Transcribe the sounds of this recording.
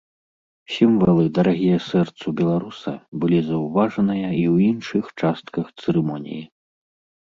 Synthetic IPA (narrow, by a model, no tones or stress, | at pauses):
sʲimvalˠɨd̪ɐɾaɣʲijɐsɛrt̪sɐbʲɛlˠaɾusɐ̰bɨlʲizɐwvaʐɐnɨjɐiwinʂɨxt͡ʂast̪kɐxt̪sɨɾɨmɔnʲḭji